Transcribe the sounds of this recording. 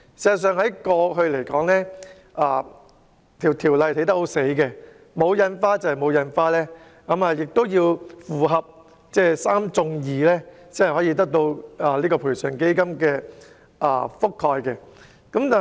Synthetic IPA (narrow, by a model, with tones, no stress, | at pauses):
siː˨zɐ˨tsœː˨ŋɦɐ˨˥jkɔː˧ɦɵ˧ɥle˨˩jkɔː˨˥ŋlɛː˥ | ʔaː˨˧ | t̪ʰiː˨˩wt̪ʰiː˨˩wlɐ˨˧jt̪e˨˧˥jt̪ɐ˥k̚ho˨˥wse˨˥jkɛ˧ | mo˨˧wjɐ˨˧nfaː˥t͡sɐ˨˩hjmo˨˧wjɐ˧nfaː˥lɛː˥ | kɐ˨˥maː˨jɪ˨k̚t̪o˥wjiː˧wfuː˨˩ɦɐ˨p̚ | t͡sɛː˥˩saː˥mt͡sʊ˧ŋjiː˨lɛː˥t͡sːhhɔː˨˥ji˧t̪̬ɐ˥k̚t̪o˧waː˨liː˥kɔː˧pʰuː˨˩jsœː˨ŋke˥jkɐ˥mkɛː˧ | ʔa̰ː˧˩fʊ˥kʰɔː˧jkɛː˧ | kɐ˨˥mt̪aː˨